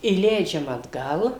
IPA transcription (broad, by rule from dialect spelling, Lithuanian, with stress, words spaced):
iːˈlʲɛɪd͡ʒʲɛm ɐdˈɡɐlˠ